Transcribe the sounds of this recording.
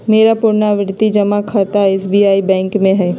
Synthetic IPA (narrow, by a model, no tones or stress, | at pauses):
meːɾapʊɾnaʋɪɾt̪id͡ʒɐmakʰat̪aeːsbiːaːibɛ̃ːŋkmẽɦɛː